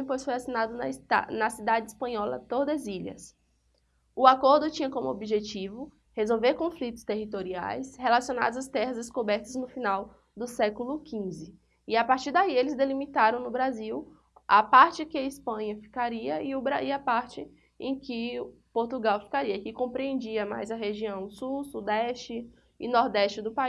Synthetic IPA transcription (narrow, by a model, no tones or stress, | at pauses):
j̃pojsfojasinad̪ʊnɐanɐsid̪ad͡ʒɪispɐ̃ɲɔlɐ̰t̪oɾd̪eziʎɐ̰s | ʊakoɾd̪ʊt͡ʃĩɲɐkõmʊo̰biʒet͡ʃivʊ | hezowveɾkõflit̪ʊ̥st̪eɦit̪oɾia̰jshelasiõna̰d̪ʊzɐst̪ɛɦɐzɪskobɛɾt̪ɐznʊfĩnaw | d̪ʊsɛkʊlʊkʰĩzɪ | ɪapaɾt͡ʃiɾd̪aielɪzd̪elimit̪aɾɐ̃w̃nʊbɾaziw | a̰paɾt͡ʃɪkɪɐispɐ̃ɲɐfi̥kaɾiɐiʊbɾaiɐpaɾt͡ʃɪ | ḛ̃j̃kɪ | poɾt̪uɡawfi̥kaɾiɐkɪkõmpɾiẽnd͡ʒiɐma̰jzɐɦeʒiɐ̃w̃susud̪ɛʃt͡ʃɪː | nɔɾd̪ɛʃt͡ʃɪd̪ʊpai